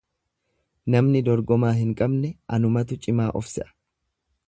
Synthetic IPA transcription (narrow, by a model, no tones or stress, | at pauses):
nɐmnɪd̪ɔɾɡɔmaːɦɪŋkʼɐbnɛʔɐnʊmɐt̪̬ʊt͡ʃʼɪmaːʔɔfsɛ̰ʔɐ̥